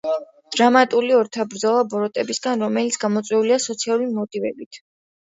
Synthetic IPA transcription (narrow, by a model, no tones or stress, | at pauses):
d̪̥ɾamat̪ʼuliɔɾt̪ʰabɾd̪zɔlˠabɔɾɔt̪ʼɛbisɡanɾɔmɛlit̪sʰɡamɔt̪sʼwɛuliasɔt̪sʰialˠuɾimɔt̪ʼivɛbit̪ʰ